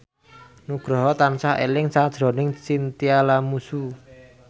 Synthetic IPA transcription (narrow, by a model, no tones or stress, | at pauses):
nuɡ̥ɾɔ̤ɦɔt̪ansaḛlɪŋsad̥ʒ̥ɾɔnɪŋsint̪ialamusu